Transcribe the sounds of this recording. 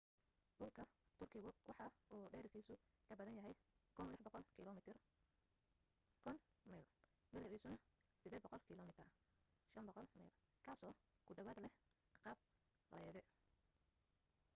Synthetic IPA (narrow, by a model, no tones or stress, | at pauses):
ɖʊlkʰɐt̪ʰʊrkʰɪɣʊwɑħɑuːɖɛːɾkʰiːsʊkʰɐbɐðɐnjɐɦɛjkʰʊnlɪħbqɔlmt̪ʰr | kʰʊn | mɛl | bɪlɪʕiːsʊnɐ | sɪd̪ɛːd̪bɔqɔlkʰilɔmɪt̪ʰ | ʃɐmbɔqɔlmɛ̰l | kʰaːsɔːɡ̥ʊɖɐwɐd̪lɛ | qɑːb̚ | rɐjɐðɛ